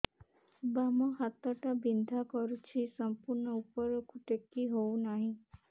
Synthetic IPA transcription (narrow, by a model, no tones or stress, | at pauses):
bamɔhat̪ɔʈabind̪ʱakɔɾut͡ʃʰisɔmpuɾɳɔupɔɾɔkuʈekːiɦownaɦĩ